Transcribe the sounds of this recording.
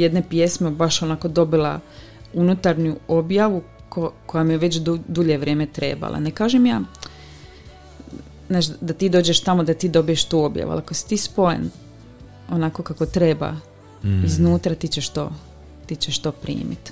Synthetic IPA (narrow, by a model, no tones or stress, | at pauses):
je̞d̪ne̞pje̞smebaʃonako̞d̪o̞bila | unut̪aɾnuo̞bjaʋu | koko̞jamijeʋe̞t͡ɕ̪ud̪uʎe̞ʋɾʲjeːme̞t̪ɾe̞̰ːba̰lʔa̰nekaːʒemjaː | znaːt͡ʃd̪at̪iːd̪o̞ːd͡ʑe̞ʃt̪amod̪at̪iːd̪o̞bije̞ʃt̪uːo̞bja̰ʋṵa̰lˠakosi̥t̪iːspo̞jḛn | o̞naːko̞kako̞t̪ɾe̞ba̰ | iznuːt̪ɾat̪it͡ɕeʃt̪o̞̰ː | t̪it͡ɕeʃt̪o̞ːpɾḭːmḭt̪